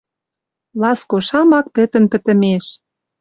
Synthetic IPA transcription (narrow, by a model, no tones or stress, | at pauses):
lɑskoʃɑmɑk̚pɘ̆t̪ə̆npə̆t̪ə̆meʃ